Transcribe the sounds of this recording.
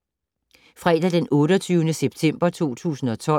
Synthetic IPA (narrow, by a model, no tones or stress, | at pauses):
fʁɛːd̥æd̥enɔ̽ːɾɒt͡sʰyːʊnəseb̥t͡sʰem̰b̥ɐt͡sʰo̝̰ːt͡sʰṵːsn̩ɒ̽t͡sʰɒ̽